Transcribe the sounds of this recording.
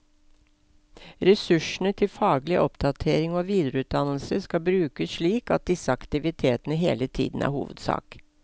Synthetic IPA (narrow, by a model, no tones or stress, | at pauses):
ɾɛsʉʂɳ̩ət̪ʰɪlfɑːɡlɪʔɔpd̪ɑt̪ʰeːɾɪŋoːʋiːd̪ɾəʉːt̪̚d̪ɑnl̩səskɑbɾʉːkəsʂɭiːkɑ̰t̪̚d̪ɪsəɑkt̪ɪʋɪt̪ʰeːt̪ənəɦḛːlət̪ʰḭːd̪n̩æ̰ːɾhṵːʋəd̪sɑ̰ːk